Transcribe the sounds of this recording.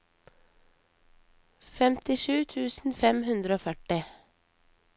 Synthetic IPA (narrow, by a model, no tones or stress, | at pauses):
fɛmt̪ɪʃʉːt̪ʰʉːsn̩fɛmhʉnd̪ɾəoːfœʈɪ